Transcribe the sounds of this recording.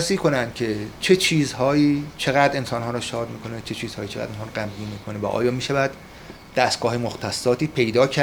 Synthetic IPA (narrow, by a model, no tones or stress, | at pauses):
siːkʰo̞nænd̪̥̚cʲʰe̞t͡ʃʰe̞t͡ʃʰiːzhɒːjiːt͡ʃʰeɣæd̪ɾe̞nsɒːnɦɒːɾɔːʃɒːd̪miːkʰo̞net͡ʃʰet͡ʃʰiːz̥hɒːjiːt͡ʃʰeɣæ̰d̪inhɒːɾɔɡæmbiːmiːkʰonevæ̰ʔɒ̰ːjɒːmiːʃævæd̪̥ | d̥̪æst̪ɡ̥ɒːɦemoxt̪ʰæsːɒːt̪ʰiːpʰe̞jd̪ɒːcʰæ